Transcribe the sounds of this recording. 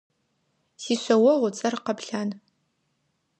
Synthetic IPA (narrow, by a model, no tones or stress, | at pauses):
siːɕʷɐwɐʁʷʊt͡sʼɐrqɐpɬaːn